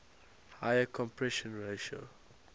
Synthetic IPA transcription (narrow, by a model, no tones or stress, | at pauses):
hajəkʰɔ̃mpʰɹɛʃɔ̃nɹeʃo̰